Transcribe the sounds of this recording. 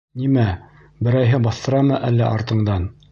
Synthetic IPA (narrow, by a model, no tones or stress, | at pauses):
nimæ | bɘ̆ɾæjɦɘbɑθt̪ɤ̆ɾɑmɤʔælːæʔɑɾt̪ɤ̆ɴd̪ɑn